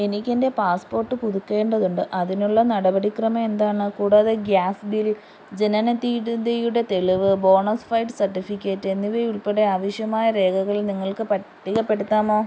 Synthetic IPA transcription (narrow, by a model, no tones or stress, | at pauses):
e̞nikʲːe̞nde̞paːspo̞ːrʈːɨpuðukːe̞ːɳɖɐðuɳɖɨʔɐðinuɭːɐnɐɽɐbɐɽikrɐmɐme̞nd̪aːɳɨkuːɽɐðeɡjaːsbil | d͡ʑenɐnɐt̪ːiːɽud̪ejuɽe̞t̪e̞ɭiʋɨbo̞ːɳɐsfɐjɖɨsɐrʈːifikʲːe̞ːtːe̞nːiʋeuɭpe̞ɽe̞aːʋɐɕjɐmaːjɐɾe̞ːkɐɣɐɭilniŋːɐɭkɨpɐʈːiɣɐpːe̞ɽut̪ːaːmo̞ː